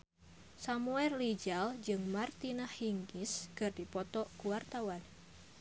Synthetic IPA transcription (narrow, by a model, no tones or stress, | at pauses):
samuɛrlid͡ʒald͡ʒɨŋmart̪inahhiŋɡiskɨrdipɔt̪ɔkuwart̪awan